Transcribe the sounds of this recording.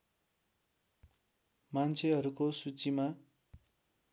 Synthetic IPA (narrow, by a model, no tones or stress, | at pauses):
mant͡sʰeɦʌɾukosut͡sima